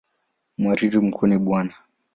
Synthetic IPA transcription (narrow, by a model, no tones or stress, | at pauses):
mwaɾiɾim̩kʰuniɓwana